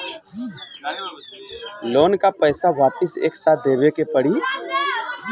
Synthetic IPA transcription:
loːnkapɛːsaʋaːpəseːksaːt̪̚ʰd̪eːbekepɐɽiː

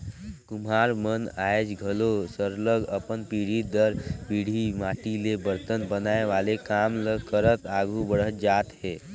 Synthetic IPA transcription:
kʊmɦaːɾmənaːjd͡ʒɡʱəlosəɾləɡəpənpiɽ̤id̪əɾpiɽ̤imaːʈilebəɾt̪ənbənaːeʋaːlekaːmləkəɾət̪aːɡʱubəɽ̤ət̪d͡ʒaːt̪ɦeː

